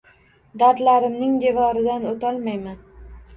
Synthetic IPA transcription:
d̪aɾd̪laɾɪmnɪŋd̪e̞vɒɾɪd̪anot̪ʰɒlˠmajman

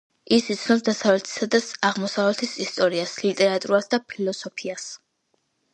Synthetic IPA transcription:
isit̪sʰnɔsd̪asavlɛt̪ʰi̥sad̪asaʁmɔsavlɛt̪ʰisist̪ʼɔɾiaslit̪ʼɛɾat̪ʼuɾasd̪apʰilɔsɔpʰias

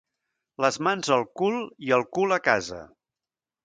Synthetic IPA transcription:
ləzmanzəlˠkulˠiəlˠkuləkazə̰

